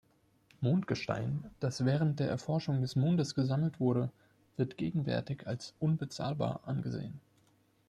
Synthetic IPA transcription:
moːntɡ̥əʃta̰ɪnd̥asv̥ɛːʁ̞ənt̚d̥eːɐʔɛɐfɔɐʃʊŋdɛsmoːndəsɡ̥əzaml̩tv̥ʊɐɾə | v̥ɪɐtɡ̥eːɡŋ̩vɛ̰ɐtɪçalsʔʊnbət͡sa̰ːlba̰ːɐʔanɡəzḛːən

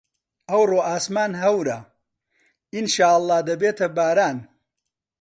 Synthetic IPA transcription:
ʔɐwroːʔaːsmaːnɦɐwɾɐ | inʃaːɐlˠˤːɑːhd̪ɐbeːt̪ʰɐbaːɾaːn

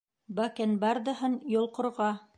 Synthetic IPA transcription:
bækɘnbɑɾd̪ɤ̆ɦɤnjŏlˠqŏɾʁɑ

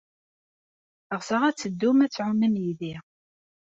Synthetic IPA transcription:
əʁsəʁæt͡sːəd̪ːumæt͡sːʕʊmːəmjiði

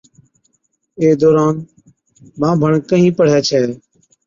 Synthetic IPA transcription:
eːd̪oːɾaːn | mãːbʱəɳkəɦĩːpəɽ̤ɛːt͡ʃʰɛː

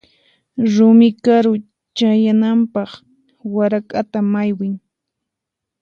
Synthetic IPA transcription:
ɾʊmɪkaɾʊ | t͡ʃajanampɑχ | waɾakʼat̪amajwɪŋ

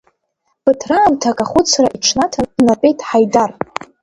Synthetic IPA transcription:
b̥ɨtʰraːmtʰakʼaχʷʊt͡sʰraʔiʈ͡ʂʰnatʰadnapʼe̞jtʼħajdar

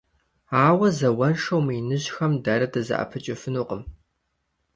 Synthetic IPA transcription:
aːwɐzɐwɐnʂɐwmiːnɨʑxɐmdaːɾɐtʰɐzɐ̰ʔɐ̰pʰɨt͡ʃʼɪfɨnuːqəm

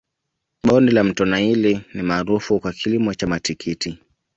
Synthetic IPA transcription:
ɓɔndilam̩tɔnailinimaːɾufukwakʰilimɔt͡ʃamatikʰiti

